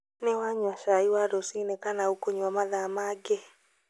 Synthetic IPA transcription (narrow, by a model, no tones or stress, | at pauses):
newaɲwaʃaiwaɾosinekanaukoɲwamaðamaɡe